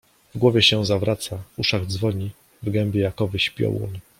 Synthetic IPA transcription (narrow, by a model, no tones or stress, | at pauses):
vɡwɔvʲjɛɕɛzavɾʔat̪sauʂaɡd̪zvɔɲi | vɡɛmbʲjɛjakɔvɘɕpʲjɔ̰wɔ̰n